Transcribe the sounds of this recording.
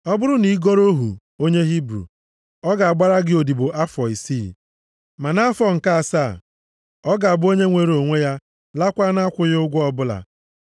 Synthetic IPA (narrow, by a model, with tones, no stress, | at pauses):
ɔ˦bʊ˦ɾʊ˦ni˨˦ɡo˦ɾo˦ɦṵ˨ | o˦ɲe˦ɦi˦bɾṵ˨ | ɔ˦ɡa˨a˨ɡ͡ba˦ɾa˦ɡɪ˨˦o˨di˨bʊ˨ʔa˦fɔ˨i˨si˦ | ma˨na˦fɔ˨ŋ̩˨ka˦a˨sa̰˦˨ | ɔ˦ɡa˨a˨bʊ˦o˦ɲe˦ŋʷe˨ɾo˨ŋʷe˦ja˦ | la˦kʷa˦na˦kʷʊ˦jʊ˦ɡʷʊ˦ɔ˦bʊ˦la̰˨